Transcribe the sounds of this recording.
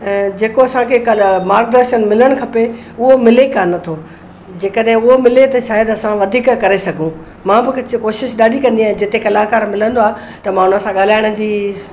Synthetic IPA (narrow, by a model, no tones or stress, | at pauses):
ɛ̃ːd͡ʑeːkoɐsãkʰekɐmaːɾk̚ɖɐɾʃənmɪləɽ̃kʰɐpe | ʊɦomɪlekanɐt̪ʰoː | d͡ʑeːkəɗɦɪ̃ʊɦomɪlet̪ɐʃaːjəd̪ɐsãʋɐd̪ʱiːkkɐɾesɐɡʱũ | mãːbɪkʰt͡ɕkoːʃɪʃɗaːɖʱikɐ̃nd̪iaːɦɪ̃d͡ʑɪt̪ekɐlaːkaːɾmɪlə̃nd̪oaːɦ | t̪ɐmãːʊnəsãɠaːl̤aːɪɽ̃ʊ̆d͡ʑiː